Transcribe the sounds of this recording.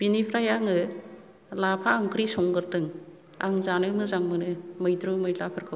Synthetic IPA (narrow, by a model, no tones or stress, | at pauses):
b̥inipʰɾajaŋɯ | lapʰaːŋkʰɾisɔŋɡɯɾdɯŋ | a̰ŋzanɯmɯzaŋmɯnɯmɯjdɾumɯjlapʰɯɾkʰɯw